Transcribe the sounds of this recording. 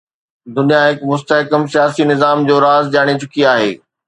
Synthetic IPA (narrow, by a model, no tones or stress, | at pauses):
d̪ʊnijaɦɪkmʊst̪əɦɪkəmsijaːsinɪzaːmd͡ʑoːɾaːzd͡ʑaːɽ̃et͡ɕʊkiaːɦḛː